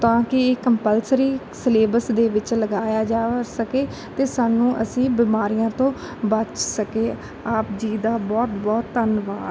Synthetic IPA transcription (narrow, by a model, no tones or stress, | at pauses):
t̪ãːkɪeːkəmpəlsəɾiː | səleːbəsd̪eːʋɪt͡ʃləɡaːjaːd͡ʒaːsəkeː | t̪eːsaːnũːʔə̰sĩːbɪmaːɾijãːt̪õː | bət͡ʃsəkeː | aːpd͡ʒiːd̪aːbɔːt̪bɔːt̪ːənʋaː